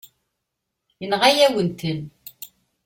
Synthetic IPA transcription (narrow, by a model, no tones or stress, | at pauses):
jənʁajæwənt̪ən